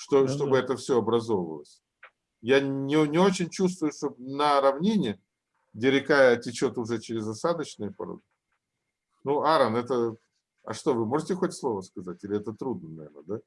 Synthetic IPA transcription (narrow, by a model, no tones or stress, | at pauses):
ʂt̪oʂt̪o̞bɨɛt̪əfsʲo̞ɐbɾɐzo̞və̰lˠəsʲ | janʲɪnʲɪo̞t͡ɕɪnʲt͡ɕus̬t̪vʊjʊʂt̪onəɾɐvnʲenʲɪɪ | dʲɪɾʲɪkajətʲɪt͡ɕot̪ʊʐɛt͡ɕɪɾʲɪzɐsad̪ət͡ɕnɨjəpɐ̰ɾo̰d̪ɨ | nuaɾənɛt̪ə | ɐ̰ʂt̪o̞vɨmo̞ʐɨtʲɪxotʲslˠo̞vəskɐzatʲɪlʲɪɛt̪ət̪ɾud̪nənɐvʲḛrnəd̪a